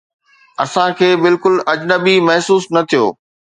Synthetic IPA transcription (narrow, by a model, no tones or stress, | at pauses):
ɐsãkʰeːbɪlkʊlɐd͡ʑnəbimɐɦsuːsnɐt̪ʰijo̰ː